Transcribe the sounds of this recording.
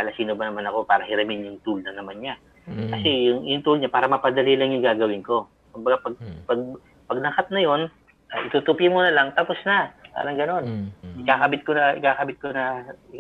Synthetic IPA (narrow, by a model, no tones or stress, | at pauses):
ɐlɐsiːnobɐnɐmanɐko̞paːɾɐhɪɾɐmɪnjʊŋt̪ulnɐnɐmanɲa | kɐsɛjʊŋʔɪjʊŋt̪ulɲapaːɾɐmɐpɐd̪ɐlilɐŋjʊŋɡaːɡɐwɪnko̞ | kʊmbɐɡapɐɡ̚pɐɡ̚ | pɐɡlɐkat̪̚nɐjo̞n | ʔɐʔɪt̪ut̪upɪmonɐlaŋt̪ɐposnɐpa̰ːɾɐŋɡɐno̞nɪkakɐbɪt̪̚konɐʔɪkakɐbɪt̪̚konɐ